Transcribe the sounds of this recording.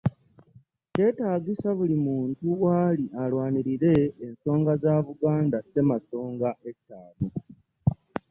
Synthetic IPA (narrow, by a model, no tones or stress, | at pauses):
ce̞taːɡisaβulimuːntuwaːliʔalwaːniɾiɾe̞ːnso̞ːŋɡazaβuɡaːndase̞maso̞ːŋɡaʔe̞tːaːno